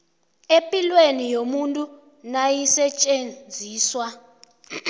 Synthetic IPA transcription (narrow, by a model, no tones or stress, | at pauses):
epʼilwenijomuntʼu | najisɛt͡ʃʼend͡zʱiːswa